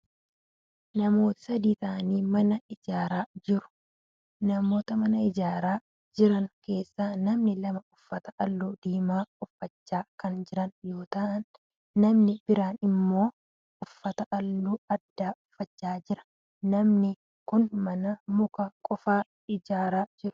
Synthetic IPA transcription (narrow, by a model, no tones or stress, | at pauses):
nɐmo̞ːt̪ɪ̥sɐd̪iːt̪ɐʔɐniːmɐnɐɪd͡ʒaːɾaːd͡ʒɪɾʊ̥ | nɐmo̞ːt̪ɐmɐnɐɪd͡ʒaːɾaː | d͡ʒɪɾɐŋke̞ːsːaːnɐmnɪlɐmɐʊfːɐt̪ɐʔɐlːuːd̪̥iːmaːʊfːɐt͡ʃːaːkɐnd͡ʒɪɾɐnjo̞ːt̪ɐʔɐnː | ɐmnɪbɪɾaːnɪmːo̞ː | ʊfːɐt̪ɐʔɐlːuːɐd̪ːaːʊfːɐt͡ʃːaːd͡ʒɪɾɐ̥ː | ɐmnɪ | kʊnmɐnɐmʊkɐkʼɔfaː | ɪd͡ʒaːɾaːd͡ʒɪɾʊ̥